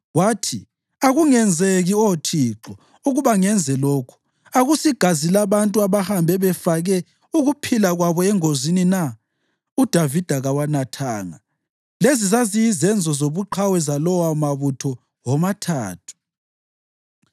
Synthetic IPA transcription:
waːtʰi | aɣuŋɛnd͡zʱeɣiotʰiːǁɔ | uɣuβaŋɛnd͡zʱɛloːkʰu̥ | aɣusiɡ̥ʱazilaβantʼuaβahambʱɛβɛfaɣɛ | uɣupʰilaɣwaβɔɛŋozinina | ud̥ʱavid̥ʱaɣawanatʰaːŋa | lezizazijizɛnd͡zʱɔzoβuǃʰawɛzalɔwamaβutʰɔ | wɔmatʰa̰ːtʰu̥

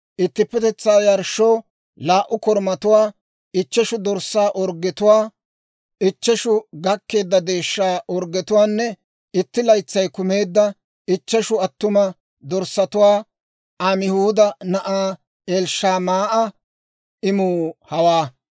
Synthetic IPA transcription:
ʔɪt̪ːɪpːɛt̪ɛt͡sːaːjɐɾʃːɔw | laːʔʊkɔɾmɐt̪ʊwaː | ɪt͡ʃːɛʃʊd̪ɔɾsaːʔɔɾɡɛt̪ʊwaː | ɪt͡ʃːɛʃʊɡɐkːe̞ːd̪ːɐd̪e̞ːʃːaːʔɔɾɡɛt̪ʊwaːnːɛ | ɪt̪ːɪlɐjt͡sːɐjkʊme̞ːd̪ːɐ | ɪt͡ʃːɛʃʊɐt̪ːʊmɐ | d̪ɔɾsːɐt̪ʊwaː | ʔɐmɪhuːd̪ɐnɐʔaː | eːlʃːaːmaːʔɐ | ɪmuːhɐwaː

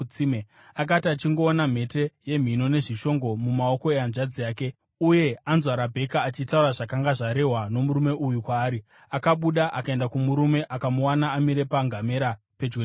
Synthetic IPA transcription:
ime | ak̬atiat͡ʃiŋɡo̞ːnam̤e̞te̞je̞m̤ino̞ne̞ʐiʃo̞ŋɡo̞mumao̞ko̞ejanʐad͡zijaːke̞ | uje̞anzwaɾabʱe̞kaːt͡ʃitauraʐakaŋɡaʐaɾe̞ɦwano̞muɾume̞ʔujukwaːɾi | akaɓuɗaʔakae̞ndakumuɾume̞ʔakamuwanaːmiɾe̞paŋɡame̞ɾa | pe̞d͡ʒwe

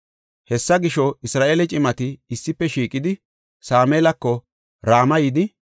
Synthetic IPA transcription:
hɛsːɐɡɪʃɔɪsɾaːʔeːlɛt͡ʃʼɪmɐt̪ɪɪsːɪpːɛʃiːkʼɪd̪ɪ | saːmeːlɐkːɔ | ɾaːmɐjɪd̪ɪ

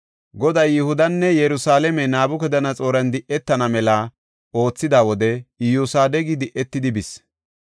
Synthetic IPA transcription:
ɡɔd̪ɐjːɪhʊd̪ɐnːɛjɛɾʊsaːlɛmɛnaːbʊkɛd̪ɐnɐt͡sʼo̞ːɾɐnd̪ɪʔːɛt̪ːɐnɐmɛlɐ | o̞ːt͡sːɪd̪aːwɔd̪ɛɪjuːsaːd̪ɛɡɪd̪ɪʔɛt̪ːɪd̪ɪbɪs

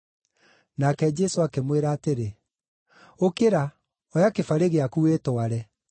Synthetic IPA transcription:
nakɛd͡ʒɛsoakemweɾaːteɾe | okeɾa | ɔjakefaɾeɣeakuetoaɾɛ

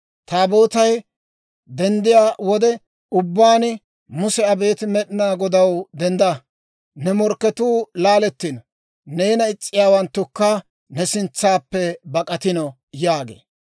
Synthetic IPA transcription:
t̪aːbo̞ːt̪ɐj | d̪ɛnd̪ɪjaːwɔd̪ɛ | ʊbːaːn | mʊsɛɐbe̞ːt̪ɪmɛɗɪnaːɡɔd̪ɐwd̪ɛnd̪ɐ | nɛmɔɾkːɛt̪uːlaːlɛt̪ːɪnɔ | neːnɐɪt͡sʼːɪjaːwɐnt̪ːʊkːɐ | nɛsɪnt͡sːaːpːɛbɐkʼɐt̪ɪnɔ | jaːɡḛː

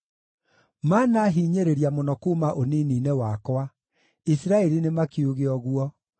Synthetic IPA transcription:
manaɦiɲeɾeɾjamonɔkuːmaʔoniniːnewakwa | isiɾaɛɾinemakeuɣeɔɣwɔ

